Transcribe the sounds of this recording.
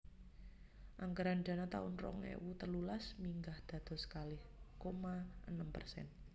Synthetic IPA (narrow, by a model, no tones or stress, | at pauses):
ʔaŋkəɾanɖa̤nat̪a̰ʊnrɔ̰ŋḛwut̪ərlulasmiŋɡahd̪̥ä̤d̪̥ɔ̤sə̥kalɪhkomaənəmpə̰rsɛ̰n